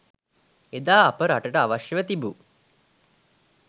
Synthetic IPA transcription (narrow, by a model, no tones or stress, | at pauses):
ed̪aːapəɾaʈəʈəaʋaʃjəʋət̪ibu